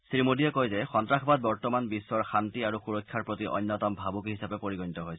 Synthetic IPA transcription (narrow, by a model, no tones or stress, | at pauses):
sɹimodijɛkojzɛxɔntɹaxʰɔbat̚bɔɹtɔmanbisːɔɹxantiaɹuxuɹɔjkʰːaɹpɹotiʔɔ̰jnːɔtɔmbʱabukiɦisapɛpoɹiɡonitɔɦojsɛ